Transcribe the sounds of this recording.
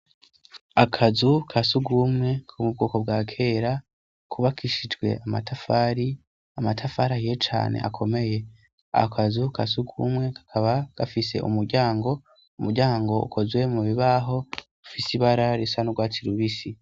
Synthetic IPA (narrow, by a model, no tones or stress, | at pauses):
akʰazukʰasuɡumŋe̞kʰumub̚ɡoːko̞b̚ɡaːkʰe̞ɾa | kʰuβakʰiʃid͡ʒɡwe̞̰ʔamatʰafaɾi | amatʰafaɾahijet͡ʃa̰ːne̞̰ʔa̰kʰo̞me̞je̞ | a̰kʰazukʰasuɡumŋe̞kḁkʰaβaɡ̥afise̞̰ʔṵmuɾɟaːŋɡo̞ | umuɾɟaːŋɡo̞ṵkʰo̞zwe̞muβiβaːɦo̞ | ufisiβaɾaɾisanuɡwaːt͡siɾuβisi